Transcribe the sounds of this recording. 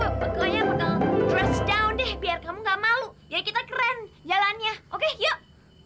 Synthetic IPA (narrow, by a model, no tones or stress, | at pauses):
məkaɲaməkarɛsdawndɛhbiarkamuŋɡaʔmalujakit̪akɾɛnd͡ʒalanɲaʔokejə